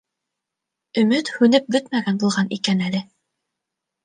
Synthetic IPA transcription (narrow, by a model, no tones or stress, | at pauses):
ɵ̆mɵt̪hʉnɘp̚bɵt̪mæɡænbulˠʁɑnikænælɘ